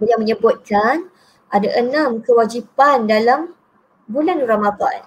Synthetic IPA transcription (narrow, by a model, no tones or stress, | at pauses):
bəliaməɲəbʊt̪̚kan | ʔadaʔənãmkəwad͡ʒipandalam | bulanramaba̰n